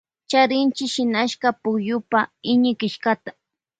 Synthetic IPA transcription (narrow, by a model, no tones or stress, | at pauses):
t͡ʃaɾɪnt͡ʃɪʃɪnaʃkapʊkjʊpaɪɲɪkɪʃkat̪ḁ